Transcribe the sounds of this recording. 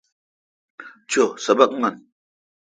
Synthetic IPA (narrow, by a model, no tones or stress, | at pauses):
t͡ɕʰusəbək̚ŋən